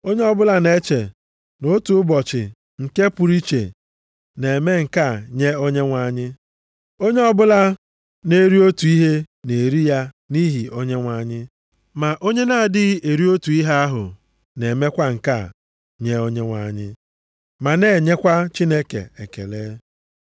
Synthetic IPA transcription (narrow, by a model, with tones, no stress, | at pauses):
o˦ɲe˦ɔ˦bʊ˦la˦ne˦t͡ʃe˨ | no˦tu˨˦ʊ˦bɔ˨t͡ʃɪ˨ | ŋ̩˨ke˦pu˨ɾi˦t͡ʃḛ˨ | ne˨e˨me˦ŋ̩˨ka˦˨ɲe˦o˦ɲe˦ŋʷa˦˨ɲɪ˦ | o˦ɲe˦ɔ˦bʊ˦la˦ | ne˦ɾi˦o˦tu˨i˦ɦe˦ | ne˨ɾi˦ja˦ | ni˦ɦi˨o˦ɲe˦ŋʷa˨˦˨ɲɪ˦ | ma˨ʔo˦ɲe˦na˦˨dɪ˦e˨ɾi˦o˦tu˨i˦ɦe˦a˦ɦʊ̰˨ | ne˨me˦kʷa˦ŋ̩˨ka˦˨ | ɲe˦o˦ɲe˦ŋʷa̰˨ɲɪ̰˦ | ma˨ne˦˨ɲe˦kʷa˦t͡ʃi˦ne˦kḛ˨e˨kḛ˨leː˦